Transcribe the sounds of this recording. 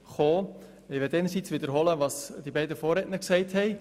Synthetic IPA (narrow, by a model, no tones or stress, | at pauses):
χoː | ɪʋɛtɛɪnəɾsit͡sʋɪdəɾɦɔləʋɑsd̥ibɛɪdəfɔːɾɛtnəksɛɪthɛɪ